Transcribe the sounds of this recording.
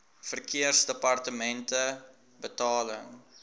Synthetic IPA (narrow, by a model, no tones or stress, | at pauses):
fərkiərsdəpɐrtəmɛntə | bətɑːlə̰ŋ